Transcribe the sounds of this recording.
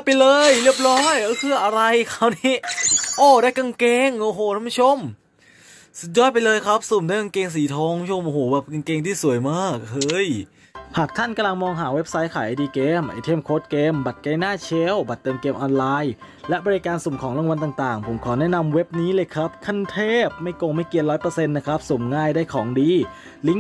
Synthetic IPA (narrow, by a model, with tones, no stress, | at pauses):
pa˧jlɤː˧jli˥˩əp̚ɾɔː˦˥jɯ˧˦kʰɯː˧˩ʔa˧ɾa˧jkʰa˧˩wniː˦˥˩ʔoː˧˩daː˥˩jka˧ŋkeː˧ŋʔoː˧˩ɦoː˨˩aː˧˥˩mu˦˥t͡ɕʰo˧˥˩m | su˨˩t̪̚jɔː˦˥jpa˧jlɤː˧jkʰa˦˥p̚suː˨˩mdaː˥˩ka˧ŋkeː˧ŋs̬iː˨˩˦t̪ʰɔː˦˥ŋu˦˥t͡ɕʰo˧mʔoː˧˩hoː˨˩˦bɛː˨˩p̚ka˧ŋkeː˧ŋt̪ʰiː˥˩su˨˩˦əjmaː˥˩k̚hɤː˧˥j | haː˨˩k̚t̪ʰa˥˩nka˧mla˧ŋmɔː˧ŋɦaː˩˦we˦˥p̚sa˦˥jkʰaː˨˩˦jʔa˧jdiː˧keː˧mʔa̰˧˩t̪ʰeː˥˩mkʰoː˦˥t̪̚keː˧mba˨˩t̪̚ka˧jnaː˥˩t͡ɕʰe˦˥wba˨˩t̪̚ːɤː˧mkeː˧mʔɔː˧nlaː˧j | lɛ˦˥ʔbɔː˧ɾi˦˥kaː˧nsu˨˩˦mkʰɔː˩˦ŋla˧wa˧nt̪aː˨˩ŋt̪aː˨˩ŋpʰo˩˦mkʰɔː˩˦nɛ˦˥ʔna˧mwe˦˥p̚niː˦˥lɤː˧jkʰɾa˦˥p̚kʰa˧˩nt̪ʰeː˥˩p̚ma˥˩jko˧ŋma˥˩jki˧ənlɔː˦˥jpɤː˧se˧nːa˦˥kʰɾa˦˥p̚su˨˩mŋaː˥˩jdaː˥˩jkʰɔː˩˦ŋdiː˧ | li˦˥ŋ